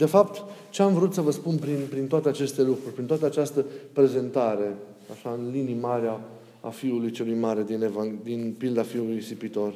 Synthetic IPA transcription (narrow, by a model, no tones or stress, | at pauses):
d̪e̞fapt̪t͡ʃe̞amvəɾut̪səvəspunpɾinpɾint̪oat̪eat͡ʃe̞st̪e̞lukɾurʲpɾint̪oat̪əat͡ʃast̪əpɾe̞ze̞nt̪aɾe̞ | aʃaɨnlinimaɾea | a̰fiulujt͡ʃe̞lujmaɾe̞d̪inevaŋd̪inpild̪afiulujsipit̪o̞r